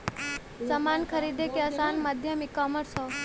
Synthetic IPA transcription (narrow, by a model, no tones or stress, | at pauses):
səmaːnkʰəɾid̪ekeasaːnməd̪ʱjəmikɔːməɾsɔ